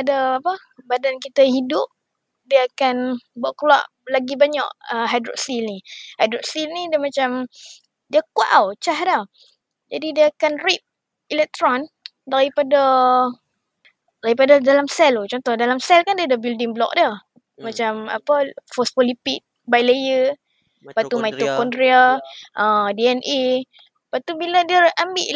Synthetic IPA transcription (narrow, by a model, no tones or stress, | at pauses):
padaapə | badankit̪əhidʊp̚ | diəakanbaʔklwa̰ʔ | laɡibaɲa̰ʔəɦajdɾɔ̰ʔsilnihajdɾɔʔsilnidəmãt͡ʃam | diəkwa̰ʔawt͡ʃaɦda | d͡ʒadidiəːkanrip̚ | ilɛk̚t̪ɾɔn | daɾipada | daɣipadadalamsɛlot͡ʃɔnt̪ɔhdalamsɛlkandiədabildiŋblɔ̰k̚də | mat͡ʃama̰pəfɔspɔlipit̪̚ | bajlejə | pat̪umajt̪ukɔndɾiaʔədiɛnʔi | paʔt̪ubiladiəambiʔ